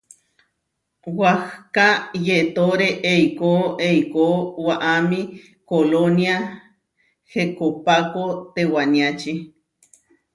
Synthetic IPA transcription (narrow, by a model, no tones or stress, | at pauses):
wahkajet̪oɾeʔeikooʔejkowaʔamĩ | kolonja | hekopakot̪ewaniat͡ʃi